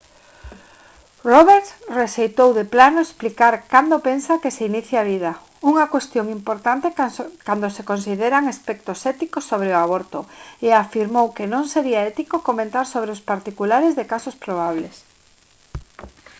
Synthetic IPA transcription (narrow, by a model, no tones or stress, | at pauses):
roβeɾt̪sreʃejt̪owðeplanoesplikaɾkand̪opensakeseiniθjaβ̞ið̞a | uŋakwest̪joŋimpoɾt̪ant̪ekand̪osekons̬iðeɾaŋespɛk̚t̪osɛt̪ikosːoβ̞ɾeoaβ̞oɾt̪oeafiɾmowkenõŋseɾiaɛt̪ikokomẽnt̪aɾsoβɾeʊspaɾt̪ikulaɾezðekasospɾoβaβ̞les